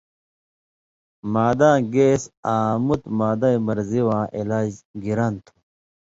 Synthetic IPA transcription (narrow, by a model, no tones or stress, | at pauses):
maːd̪ãːɡeːsaːmut̪maːd̪aimɐɾziwãːʔilaːd͡ʑɡiɾant̪ʰu̥